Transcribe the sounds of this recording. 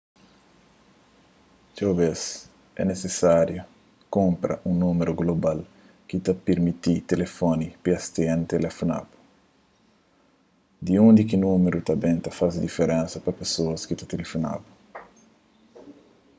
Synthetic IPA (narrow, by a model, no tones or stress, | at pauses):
t͡ʃawbes | ɛnesesaɾjo | kõmpɾɐ̰ʔũnumeɾuɡlobal | kit̪ɐpeɾmit̪it̪elefonipiɐst̪eɐ̃nt̪elefona̰bu̥ | d̪iũnd̪ikinũmeɾut̪ɐbẽnt̪ɐfazd̪ifeɾẽnsɐpɐpesoɐskit̪ɐt̪elefona̰bu